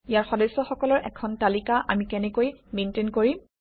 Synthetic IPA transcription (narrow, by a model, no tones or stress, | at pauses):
ijaɹxɔdɛsɔxɔkɔlɔɹʔɛ̰kʰɔntalikaʔa̰mikɛnɛkojmentenkoɹi